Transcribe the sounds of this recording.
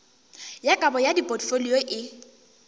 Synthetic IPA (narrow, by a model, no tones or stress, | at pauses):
jakʼabɔjadipʼɔtfoliɔʔɪ